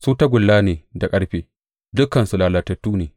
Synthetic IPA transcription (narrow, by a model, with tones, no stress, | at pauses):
suː˦ta˦ɡʷʊ˨lːaː˦neː˨da˨kʼɐ˦ɽɸeː˨˦ | dʊ˦kːɐ˨nsu˨laː˨lɐ˨tɐ˨tːuː˦neː˨